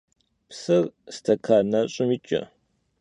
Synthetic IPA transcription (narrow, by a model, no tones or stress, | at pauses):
psɨrstʰɐkʰaːnɐɕʼɪmit͡ʃʼɐ̰